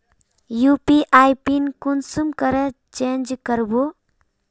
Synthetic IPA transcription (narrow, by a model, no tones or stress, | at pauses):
jupiʔajpinkunsumkəɾə | t͡ʃend͡ʒkəɾbo